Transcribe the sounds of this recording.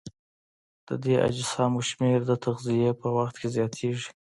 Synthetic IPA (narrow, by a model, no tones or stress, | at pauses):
d̪̥əd̪eʔa̰d͡ʒɪsɑmoʃmeɾd̪ət̪aɣzijepəwaxt̪kʰezjɑt̪ʰeʐi̥